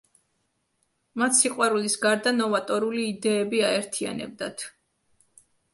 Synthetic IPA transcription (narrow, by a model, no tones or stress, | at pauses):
mat̪ʰsiqʼwaɾulisɡaɾd̪anɔvat̪ʼɔɾuliːd̪ɛːbiaɛɾt̪ʰia̰nɛ̰b̚d̪at̪ʰ